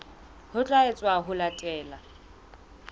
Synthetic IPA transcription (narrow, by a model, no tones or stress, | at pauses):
hʊt͡ɬʼaɪt͡sʼwaɦʊlatʼɛːla